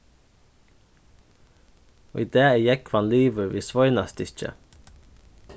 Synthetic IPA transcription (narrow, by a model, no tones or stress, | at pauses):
o̰ːid̪eːejɛkʰʋɑnliːʋəʋiːsʋɔʏnɑst̪ɪt͡ʃə̰